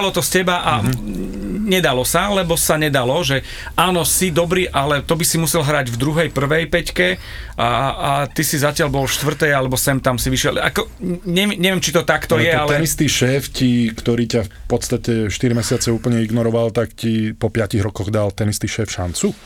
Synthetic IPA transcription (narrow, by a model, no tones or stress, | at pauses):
lɔt̪ɔscɛbaʔa | ɲɛd̪alɔsalɛbɔsaɲɛd̪alɔʒɛ | aːnɔsid̪ɔbɾiːʔalɛt̪ɔbisimusɛlɦɾaɟvd̪ɾuɦɛjpr̩ʋɛjpɛckɛaat̪isizacɪalbɔlfʃt̪ʋr̩t̪ɛjalɛbɔsɛmt̪amsiʋiʃɪɛ̰la̰kɔɲɛʋɲɛʋjɛmt͡ʃit̪ɔt̪akt̪ɔjɛalɛnist̪iʃɛːfcikt̪ɔɾiːcafpɔt̪st̪acɛʃt̪iɾimɛsɪat͡sɛuːpl̩ɲɛiɡnɔɾɔʋalt̪akcipɔpɪaciɣɾɔkɔɣd̪alt̪ɛnist̪iʃɛːfʃa̰nt͡su